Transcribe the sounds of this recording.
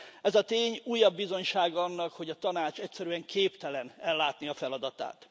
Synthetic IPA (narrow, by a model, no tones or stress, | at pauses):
ɛzɒt̪eːɲuːjːɒbːizo̞ɲʃaːɡɒɒnːɒkho̞ɟɒt̪ɒnaːt͡ʃɛcsɛɾyɛŋkʰeːpt̪ɛlɛnɛlːaːt̪niɒfɛlɒd̪ɒt̪a̰ːt̪